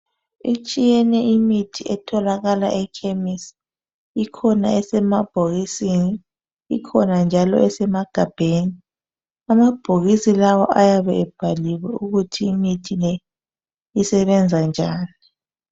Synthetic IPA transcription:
it͡ʃʼijɛnɛimitʰiɛtʰɔlaɣala̰ʔɛkʰemis | ikʰɔna̰ɛsɛmab̥ʱoɣisini | ikʰɔnand͡ʒʱalɔ̰ɛsɛmaɡ̥ʱab̥ʱeːni | amab̥ʱoɣisilawɔ̰ʔajaβɛɛb̥ʱaliwɛuɣutʰiːmitʰilɛ | isɛβɛnd͡zʱand͡ʒʱaːni

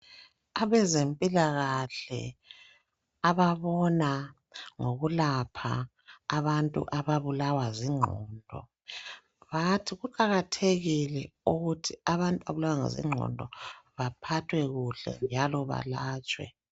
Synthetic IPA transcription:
aβɛzempʼilaɣaɬɛ̰ | aβaβɔna | ŋoɣulapʰaː | βantʼṵʔaβaβulawaziŋ͡ǃʱɔːndʱɔ̰ | βatʰiɣuǃaɣatʰeɣilɛuɣutʰiaβantʼuaβulawaŋḛzḭŋ͡ǁʱɔ̰ndʱɔ̰βapʰatʰwɛɣuɬɛ̰nd͡ʒʱalɔβa̰laːt͡ʃʼwɛ̰

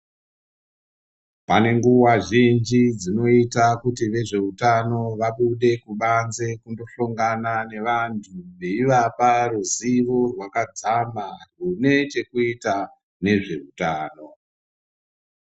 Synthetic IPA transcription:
pane̞ŋɡuwaʒind͡ʒid͡zino̞itakutiʋe̞ʐe̞utano̞ʋaɓuɗe̞kuɓanze̞kundo̞ɬoŋɡanane̞ʋantʰuʋe̞iʋaparuziʋo̞rwakad͡zamarune̞t͡ʃe̞kuita | ne̞ʐe̞rutaːno̞

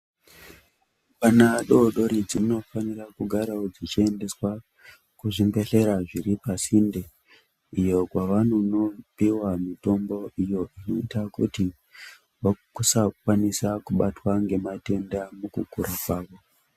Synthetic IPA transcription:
panaɗo̞ɗo̞ɾid͡zimuno̞fanirakuɡʱaɾaod͡zit͡ʃie̞nde̞swa | kuʐimɡe̞ɬe̞ɾaʐiɾipasinde | ijo̞kwaʋanono̞piwamito̞mbo̞ʔijo̞ʔino̞itakuti | ʋokusak̚wanisakuɓatwaŋɡe̞mate̞ndamukukuɾakwaːʋo̞

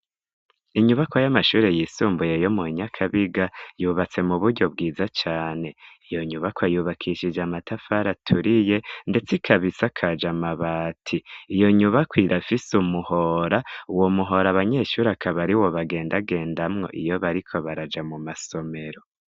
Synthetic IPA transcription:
iɲuβakojamaʃuːɾe̞jiːsuːmbuje̞jo̞muɲakʰaβiɡajuːβat͡se̞muβuɾɟo̞b̚ɡiːzat͡ʃaːne̞ijo̞ɲuβakwajuːβakʰiʃid͡ʒamatʰafaɾatʰuɾije̞nde̞t͡sikʰaβisakʰad͡ʒamaβaːtʰiːjo̞ɲuβakwiɾʔafisumuho̞ɾauwomuɦo̞ɾaβaɲe̞ʃuːɾakʰaβaɾiwo̞βaɡe̞ːndaɡe̞ːndamŋo̞ʔḭjoβaɾikʰo̞βaɾad͡ʒamumaso̞me̞ɾo̞

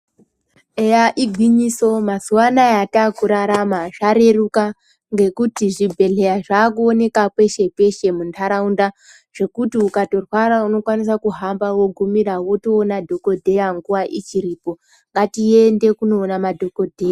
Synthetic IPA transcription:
ejaʔiɡʱwiɲiso̞mazuwanajataːkuɾaɾamaʐaɾe̞ruka | ŋɡe̞kutiʐibʱe̞ɮe̞jaʐaːkuone̞kapwe̞ʃe̞pe̞ʃe̞muntʰaɾaunda | ʐ̥e̞kutiukato̞rwaɾauno̞kwanisakuɦambawo̞ɡʱumirawo̞to̞ːnadʱo̞ko̞dʱe̞jaŋɡuwaʔit͡ʃiɾipo̞ | ŋɡatiende̞kuno̞ːnamadʱo̞ko̞dʱeja

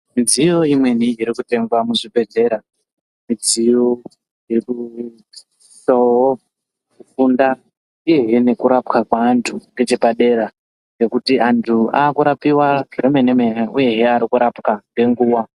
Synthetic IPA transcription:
mid͡zijo̞imwe̞niiɾikute̞ŋɡwamuʐibʱe̞d͡ze̞ɾa | mid͡zijo | jiku | sowo | ufunda | ije̞ɦe̞ne̞kuɾapkakwaːntʰuŋɡe̞t͡ʃe̞paɗe̞ɾa | ŋɡe̞kutiantʰuaːkuɾapiwaremenemeeuje̞ɦeaɾikuɾapkaŋɡe̞ŋɡuːwa

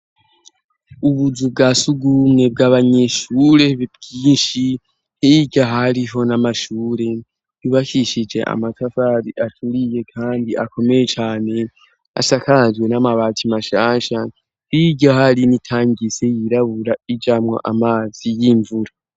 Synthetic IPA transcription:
uβuzubɡaːsuɡumŋe̞bɡaːβaɲe̞ʃuɾe̞bɡiːnʃi | niɟaɦaɾiɦo̞namaʃuːɾe̞ | juβakiʃid͡ʒe̞̰ʔa̰matafaɾiʔatʰuɾije̞kʰaːndiʔako̞me̞je̞t͡ʃaːne̞ | a̰sakaad͡ʒɡwe̞namaβaːtʰimaʃaːnʃa | iɟohaɾinitʰaːɲise̞jiɾaβuɾaid͡ʒamŋo̞̰ʔamaːzijiːɱvuɾa

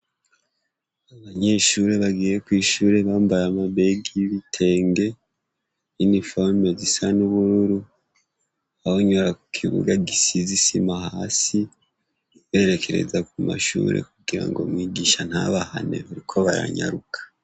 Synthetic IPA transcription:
aβaɲe̞ʃuɾe̞βaɡiːje̞kwiːʃuːɾe̞βaːmbaɾamaβe̞ɡiβitʰe̞ːŋɡe̞ | inifoɾmezisanuβuɾuɾu | ahoɲo̞ɾaku̥kʰiβṵɡaɡisizisimahasi | βe̞ːɾe̞kʰe̞ɾe̞̰zakuma̰ʃṵːɾe̞̰kuɡiɾa̰ŋɡo̞mwiːɡiːʃan̥haβahane̞̰βaɾikʰo̞βaɾa̰ɲa̰ɾukʰḁ

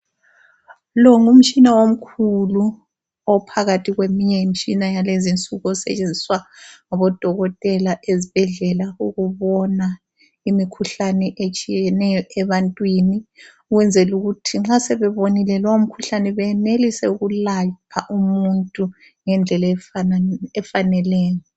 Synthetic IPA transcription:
lɔŋum̩t͡ʃʼinawom̩kʰulu | ɔpʰaɣatʰiɣwemiɲɛjim̩t͡ʃʼinajalezint͡sʼuɣɔsɛ̰t͡ʃʼend͡zʱiswaŋaβɔd̥ʱɔɣɔtʼɛlaʔezib̥ʱɛɮɛlauɣuβɔna | imikʰuɬanɛʔet͡ʃʼijɛnɛjɔʔɛβantʼwini | uɣwɛnd͡zʱɛluɣutʰiŋ͡ǁasɛβɛβonilɛlɔwom̩kʰuɬanɛβɛnelisɛuɣulapʰaʔumuntʼu | ŋɛnd͡ɮʱɛlafaɛfanɛlɛːjɔ

